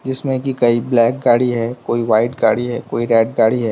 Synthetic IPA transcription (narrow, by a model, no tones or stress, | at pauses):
d͡ʒɪsmẽkikɐiblɛːk̚ɡaːɽiɦɛkoːiʋaːɪʈ̚ɡaːɽiɦɛkoːiɾɛːʈ̚ɡaːɽiɦɛː